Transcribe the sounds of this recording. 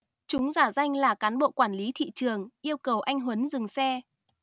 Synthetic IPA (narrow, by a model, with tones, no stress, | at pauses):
t͡ɕʊ˨˦ŋ͡mzaː˧˩za˧jŋ̟laː˨˩kaː˨˦nɓo̰˧˨kwaː˧˩nli˨˦t̪ʰḭ˧˨t͡ɕɨ˨˩əŋʔi˧əwkə˨˩wʔa˧jŋ̟ɦwə˨˦nzɨ˨˩ŋsɛ˧